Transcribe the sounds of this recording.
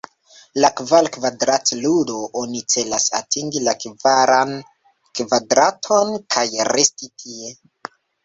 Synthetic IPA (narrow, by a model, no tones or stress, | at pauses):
lakvalkvadɾatludo̞ʔonit͡se̞lasa̰tʰiŋɡilakvaɾan | kvadɾatʰo̞nkʰajɾʔestitʰie̞